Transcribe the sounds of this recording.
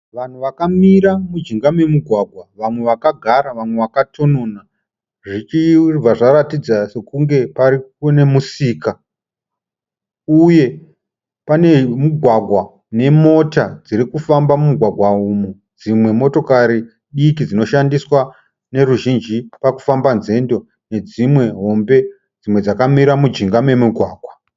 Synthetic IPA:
ʋan̤uʋakamiɾamud͡ʒiŋɡamwe̞muɡʱwaɡʱwaʋamwe̞ʋakaɡʱaɾaʋamwe̞ʋakatʰo̞nona | ʐit͡ʃivaʐaɾatid͡zase̞kuŋɡe̞paɾikune̞musiːka | uje̞ | pane̞muɡʱwaɡʱwa | ne̞mo̞tad͡ziɾikufambamumuɡʱwaɡʱwaumu | d͡zimwe̞mo̞to̞kaɾi | ɗikid͡zino̞ʃandiswa | ne̞ruʒind͡ʒipaku̥fambanze̞ndo̞ | ne̞d͡zimwe̞ɦo̞mbe̞ | d͡zimwe̞d͡zakamiɾamud͡ʒiŋɡame̞muɡʱwaːɡʱwa

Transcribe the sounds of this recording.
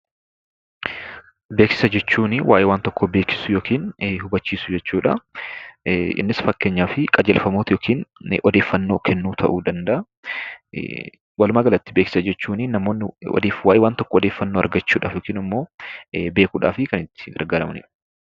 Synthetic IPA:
be̞ːksɪ̥sɐd͡ʒɛt͡ʃːuːnɪwʔaːjɛwaːnt̪ɔkʰːɔbe̞ːksɪ̥sʊjoːkiːnhʊbɐt͡ʃːiːsʊd͡ʒɛt͡ʃːuːᶑɐ̰ | ʔɪ̰nːɪsfɐkːeːɲːaːfɪkʼɐd͡ʒɛlfɐmoːt̪joːkʰiːn̰ʔɔd̪e̞ːfːɐnːoːkʰɛnːuːt̪ʰɐʔuːd̪ɐnd̪ɐʔɐ̰ | wɐlʊmaːɡɐlɐt̪ːɪ̥beːksɪ̥sɐd͡ʒɛt͡ʃːuːnɪnːɐmoːnːɪɔ̰d̪eːfwaːjɛwaːnt̪ɔkːɔɔd̪eːfːɐnːoːɐ̰ɾɡɐt͡ʃːuːᶑa̰ːfjoːkiːnɐmːo̞ːbe̞ːkuːᶑa̰ːfɪkɐnɪt̪ːɪ̥ɡɐ̰ɾɡaːɾɐmnɪ̰ᶑ

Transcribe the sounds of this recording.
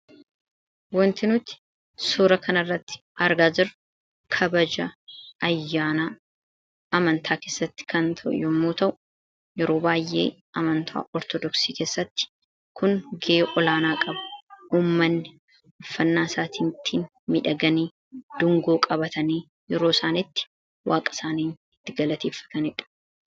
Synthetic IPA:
wɔnt̪ɪnʊt̪ɪ̥ | suːɾɐkʰɐnɐrːɐt̪ːɪ̥ʔɐɾɡaːd͡ʒɪɾ | kʰɐbɐd͡ʒɐɐjːaːna | ɐmɐnt̪ʰaːkeːsːɐt̪ːɪ̥kɐnt̪ʰɐʔʊ̰jɔmːoːt̪ɐʔʊ̥ | jɛɾo̞ːbaːjʔːe̞̰ː | ʔɐmɐnt̪ʰa̰ːʔɔɾt̪ɔd̪ɔksiːke̞ːsːɐt̪ːɪ̥ | kʰʊŋɡeːʔɔlaːnaːkʼɐbɐ̥uːmːɐnːɪ | ʊfːɐnːaːsaːt̪ʰiːnt̪ʰːiːn | mɪᶑɐɡɐniː | d̪̥ʊŋɡoːkʼɐbɐt̪ɐniː | jɛɾo̞ːsaːnɪt̪ːɪ̥ | wʔaːkʼɐ̥saːniːn | ɪt̪ːɪɡɐlɐt̪eːfːɐ̥t̪ɐnɪᶑɐ̥

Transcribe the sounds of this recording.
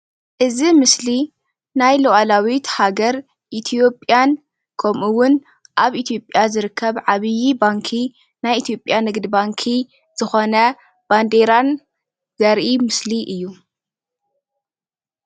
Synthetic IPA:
ʔɨzimɨsli | najlɐʔalawit̪haɡɐɾ | ʔit̪ʰijo̞pʼjan | kʰɐmʔuwʊn | ʔaβʔit̪ʰjo̞pʼjazɨɾɨkʰːɐβʕaβɨjibaŋkʰi | najit̪ʰijo̞pʼːjanɨɡd̪baŋkʰi | z̥ɨxonɐ | b̥and̪eɾan | zɐɾʔimɨsliʔɨjːu

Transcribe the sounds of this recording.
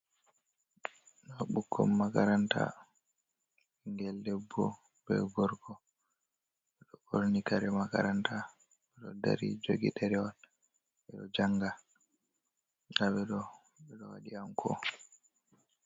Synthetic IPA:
ɗɔɓukːɔ̰mːakaɾanta̰ | iŋɡɛlːɛbːɔ | bɛ̰ɡɔɾɡɔ | ɓɛɗɔkoɾnikaɾɛmaka̰ɾanta | ɓɛɗɔda̰ɾid͡ʒoɡḭɗɛɾɛwan | ɓɛɗɔd͡ʒaŋɡa | ɗaɓɛɗɔ | ɓɛɗɔwa̰ɗiamkʰɔ̰

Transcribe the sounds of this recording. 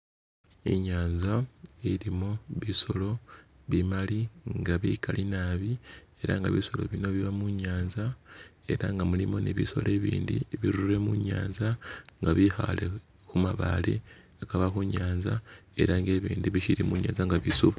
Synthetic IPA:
ḭɲaːnzaiɾimoβiso̞lo̞βimaliŋɡaβikʰalʔinaːβi | e̞ɾa̰ŋɡaβiso̞lo̞̰βino̞βiβamuɲaːnza | e̞̰ɾaŋɡamulimo̞niβḭso̞̰le̞ːβḭːndḭβiɾure̞muɲa̰ːnzaŋɡaβixa̰le | xumaβa̰lḛ | akaβaxuɲaːnzae̞ɾaŋɡe̞ːβiːndiβiʃiɾimuɲa̰ːnzaŋɡaβisuβa

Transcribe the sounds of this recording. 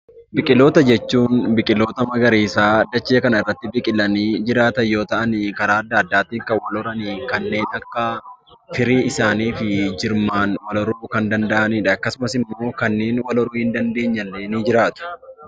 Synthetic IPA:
bɪkʼɪlo̞ːt̪ɐd͡ʒɛt͡ʃːuːnbɪkʼɪlo̞ːt̪ɐmɐɡɐɾeːsaːɐd̪ːɐt͡ʃːɪɐkɐnɐɪrːɐt̪ːɪbɪkʼɪlːɐniːd͡ʒɪɾaːt̪ɐjo̞ːt̪ɐʔɐnikɐɾaːɐd̪ːaːd̪ːaːt̪iːŋkɐwɐlɔɾɐniːkɐnːe̞ːnt̪ɐkːɐ | fɪɾiːɪsaːniːfɪd͡ʒɪɾmaːnwɐlɔɾuːkɐnd̪ɐnd̪ɐʔɐniːᶑɐɐkːɐsʊmɐsɪmːo̞ːkɐnːe̞ːnwɐlɔɾuːhɪnd̪ɐnd̪e̞ːɲːɐlːeːnid͡ʒɪɾaːt̪ʊ̥

